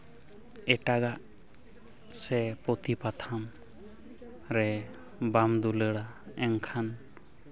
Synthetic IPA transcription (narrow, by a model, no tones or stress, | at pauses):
ɛʈaɡaʔ | sɛpɔt̪ipat̪ʰam | ɾɛ | bamd̪uləɽa | ɛŋkʰan